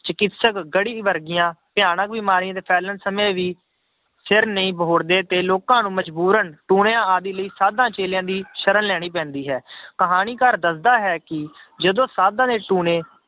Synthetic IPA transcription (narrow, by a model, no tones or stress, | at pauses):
t͡ʃəkɪt̪səkɡəɽiːʋəɾɡɪjãːpɪjaːnək̚biːmaːɾiãːt̪eːpʰɛːlənsəmẽːʋiː | sɪɾnəĩːbɦoːɾd̪eːt̪eːloːkãːnũːməd͡ʒbuːɾənʈuːneãːaːd̪iːləiːsaːd̪ãːt͡ʃeːljãːd̪iːʃəɾənlɛːɽ̃iːpɛ̃ːnd̪iːɦɛːkəɦaːniːkəɾd̪əsd̪aːɦɛːkɪd͡ʒəd̪õːsaːd̪ãːneːʈuːnẽː